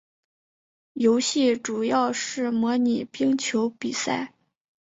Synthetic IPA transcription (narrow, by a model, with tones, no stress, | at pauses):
jo˧˥ʊɕi˥˩ʈ͡ʂu˨˩jɑ˥˧ʊʂɻ̩˥˩mwɔ˧˥ni˨˩pi˥ŋt͡ɕʰjo˧˥ʊpi˨˩sa̰˥˩ɪ